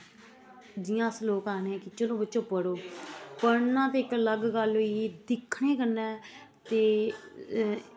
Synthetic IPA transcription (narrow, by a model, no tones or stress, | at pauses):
d͡ʒɪjãːsloːkaːnẽːkɪt͡ʃəlõːbətːʃoːpəɽoːpəɾnãːt̪eːɪkələɡɡəlɦoiːd̪ɪkʰːɳeːkənːɛ̃ː | t̪eː